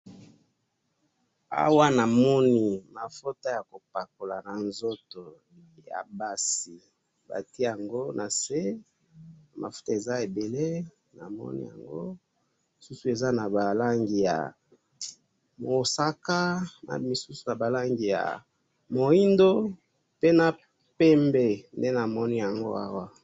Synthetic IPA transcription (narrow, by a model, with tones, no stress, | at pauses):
a̰˦wa˦na˨mɔ˦ni˦ma˨fo˦ta˦ja˨ko˨pa˨k̚o˨la˨na˨nzo˦to˨ | ja̰˨ba˦si˨ | ba̰˨ti˦e˦ja˨ŋɡo˦nʔa˨se˦ | na˨ma̰˨fu̥˦ta˦e˨za˦e˨be˨le˦ | na̰˨mɔ̰˦nḭ˦ja̰˨ŋɡo˦ | mi˨su˦su˨e˨za˦na˨ba˨la˦ŋɡi˨ja̰˨ | mo˨sa˨ka˦na̰˨mi˨su˦su˨na˨ba˨la˦ŋɡi˨ja̰˨ | mo˨i˦ndo˦ | pe˦na˨ | pe˦mbe˨nde˦na˨mɔ˦ni˦ja˨ŋɡo̰˦a̰˦wa˦˨